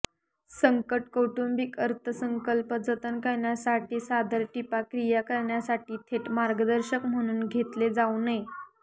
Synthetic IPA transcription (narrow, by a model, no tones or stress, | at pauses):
səŋkəʈkoʈumbikəɾt̪ʰəsəŋkəlpəd͡zət̪ənkəɾɳjasaʈiːsad̪əɾʈipakɾijakəɾɳjasaʈiːt̪ʰeʈmaɾɡəd̪əɾɕəkm̤əɽ̃uːnɡʱet̪led͡zaunəj